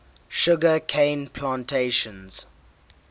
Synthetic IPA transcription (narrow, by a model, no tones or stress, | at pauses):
ʃʊɡəkʰẽɪnpʰlãːntʰeʃə̃nz̥